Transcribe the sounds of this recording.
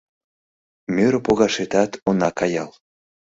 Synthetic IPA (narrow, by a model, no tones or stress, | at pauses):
møɾpoɣɑʃet̪ɑt̪onɑkɑjɑl